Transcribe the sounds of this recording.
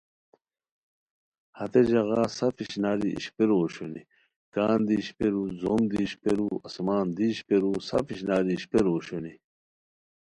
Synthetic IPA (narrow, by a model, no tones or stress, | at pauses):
hɐt̪ed͡ʑɐɣaːsɐfiɕnaːɾiḭɕpeɾoːɕoni | kaːnd̪iɕpeɾuzomd̪iːɕpeɾuɐsmaːnd̪iːɕpeɾusɐ̰fiɕnaːɾiɕpeɾoːɕoni